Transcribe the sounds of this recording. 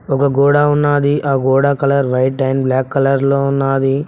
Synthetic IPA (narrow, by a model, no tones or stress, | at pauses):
ɔkɐɡɔːɽaːunːaːd̪iʔaːɡɔːɽaːkɐlɐɾʋɐjʈʈːɐjmblaːkːɐlɐɾloːunːaːd̪i